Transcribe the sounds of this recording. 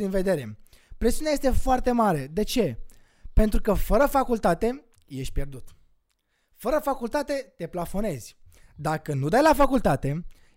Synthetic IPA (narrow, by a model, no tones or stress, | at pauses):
d̪inve̞d̪e̞ɾe̞ | pɾesiuneajest̪e̞foart̪e̞maɾe̞d̪e̞t͡ʃe̞ | pe̞nt̪ɾukəfəɾəfakult̪at̪e̞ | je̞ʃt̪̚ʲpʲje̞rd̪ut̪ | fəɾəfakult̪at̪e̞t̪e̞plafo̞ne̞zʲd̪akənud̪ajlafakult̪at̪e̞